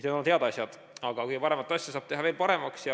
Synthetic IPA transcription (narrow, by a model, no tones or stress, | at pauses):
ned̪onhe̞ɑd̪ɑsjɑd̪̥ | ɑɡ̥ɑkujɡpɑɾe̞mɑt̪ːˑɑsjɑsɑːb̥̚t̪e̞ɦɑve̞ːlpɑɾe̞mɑksjɑ